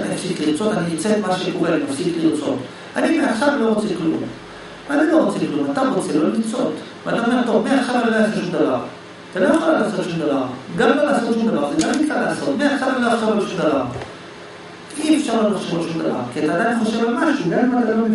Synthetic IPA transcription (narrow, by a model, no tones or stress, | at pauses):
aniafsidliʁt͡sot̪aniit͡set̪maʃekoveanimafsid̪liʁt͡so̰t | animeaχʃablo̞ʁot͡seliklṵm | vanilo̞ʁot͡seliklumat̪aʁot͡selolmit͡sot̪ | veat̪aomeʁt̪omeaʃabaloljasotʃumd̪avaʁ | at̪alooxolaːsot̪ʃumd̪avaʁɡambalaːsot̪ʃumd̪avaʁzeɡamikkalaːso̞t̪meaχʃabeloaχʃabloʃumd̪avaʁ | ifʃaʁloloχʃemotʃumd̪a̰va̰ʁkiat̪aːd̪ameχoʃevalmaʃuɡammalɡala